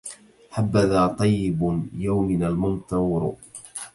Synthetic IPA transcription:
ħabːaðaːt̪ˤɑjːɪbjawmɪnalmʊnt̪ɑwɾ̰

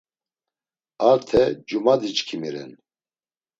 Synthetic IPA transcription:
aɾt̪ʰɛd͡ʒumad̪it͡ʃkʰimiɾɛ̰n

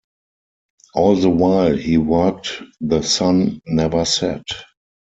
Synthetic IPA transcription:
ʔɔːlðəwaɪlhiːwɜ˞k̚tðəsãnːɛvə˞sɛ̰t

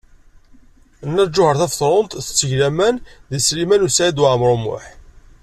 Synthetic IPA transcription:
ənːæd͡ʒːʊhəɾθæfθˤɾˤont̪θə̥t͡sːəʝlæmænðislimænusæʕid̪waʕmɾˤomʊ̰ħ

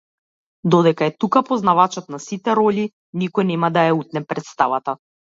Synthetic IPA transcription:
d̪ɔd̪ɛkaɛt̪ukapɔznavat͡ʃɔt̪nasit̪ɛɾɔli | nikɔjnɛmad̪ajaut̪̚nɛpɾɛt̪st̪avat̪a

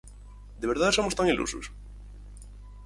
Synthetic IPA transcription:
d̪eβ̞eɾðaðsomost̪aŋilṵsṵs

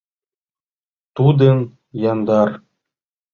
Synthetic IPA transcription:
t̪ud̪ən | jɑnd̪ɑr

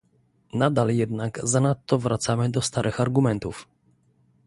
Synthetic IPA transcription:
nad̪aljɛd̪naɡzanat̪ːɔvɾʔat̪samɘd̪ɔst̪aɾʔɘxaɾɡumɛnt̪uf

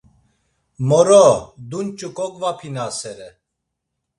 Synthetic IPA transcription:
mɔɾɔd̪unt͡ʃʼukʼɔkʼvapʰinasɛɾɛ

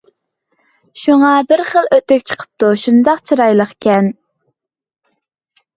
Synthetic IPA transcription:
ʃuŋɑbɪɾχəlˠøt̪ɛkʲt͡ʃʰə̥qʰə̥p̚t̪uʃund̪ɑqt͡ʃʰɨɾɑjlˠəχkʲɛn

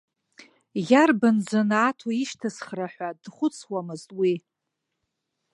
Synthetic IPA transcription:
jarband͡zanatʰaiʃtʰasχraħʷadχʷʊt͡sʰwamɨztʼwi

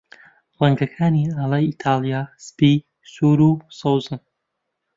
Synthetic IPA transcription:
laŋɡɐkʰaːnialait̪ʰaːlijaspi | suɾusowzɨn

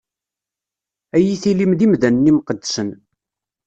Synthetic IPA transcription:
æjiθilimðimðænːimqəd̪ːsən

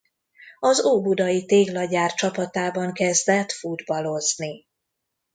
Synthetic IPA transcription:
ɒzoːbud̪ɒjit̪eːɡlɒɟaːrt͡ʃɒpɒt̪aːbɒŋkɛzd̪ɛt̪fud̪bɒlo̞zni

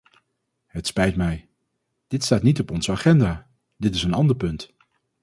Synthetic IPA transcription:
ɦətspɛjtmɛj | d̥ɪtstaːtnitɔpɔnzəaːχɛndaː | dɪtɪsənɑndəɹpɵnt

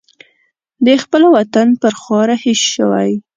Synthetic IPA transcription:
d̪əxpəlawat̪anpəɾxɑɾahesʃəwa̰j

